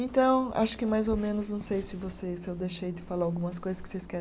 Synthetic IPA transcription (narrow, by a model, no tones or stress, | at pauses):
ẽnt̪ɐ̃w̃a̰ʃʊ̥kɪmajzomẽnʊznɐ̃w̃sejsɪvosesɪewd̪ejʃejd͡ʒɪfalaɾawɡũmɐs̬kojzɐskɪ̥sejskɛ